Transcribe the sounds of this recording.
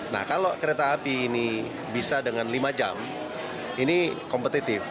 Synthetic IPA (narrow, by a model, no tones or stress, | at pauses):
na̰hkalokəɾet̪aːpiːni | bisadəŋanlimad͡ʒa̰m | inikɔmpət̪it̪ɪf